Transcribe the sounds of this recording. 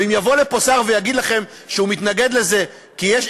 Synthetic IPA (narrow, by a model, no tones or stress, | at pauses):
imjavo̞le̞po̞saʁve̞jaɡid̪laχe̞m | ʃeumit̪naɡe̞d̪le̞ze̞ | kijeʃ